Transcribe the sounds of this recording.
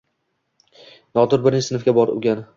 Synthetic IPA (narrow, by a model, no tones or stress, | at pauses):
nɒd̪ʊɾbɪɾɪnʲt͡ʃɪsɪnfɡʲabɒɾʊ̰ɡʲan